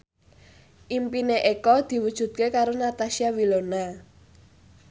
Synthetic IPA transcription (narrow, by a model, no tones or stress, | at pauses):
ʔimpineʔekɔd̪̥i̤wud̥ʒ̥ṳt̪̚kekaɾonat̪aʃiawilona